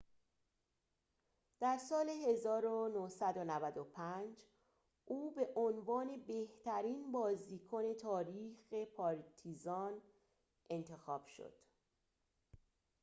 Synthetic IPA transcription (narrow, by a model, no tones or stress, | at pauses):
d̪̥æɾsɒːle̞ɦe̞zɒːɾonohsæd̪onævæd̪opʰænd͡ʒ | ʔuːbe̞ʔonvɒːne̞be̞ht̪æɾiːnbɒːziːkʰone̞t̪ʰɒːɾiːxe̞pʰɒːɾt̪ʰizɒːn | e̞nt̪ʰe̞xɒːb̥ʃo̰d̪̥